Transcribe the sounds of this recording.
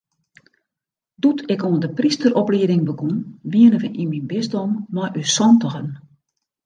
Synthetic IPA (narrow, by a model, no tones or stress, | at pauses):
dutʰɪkoəndəpristərɔpliədɪŋbəɡunʋiənəvənʔiminbɪzdomːɔjʔysɔntəxən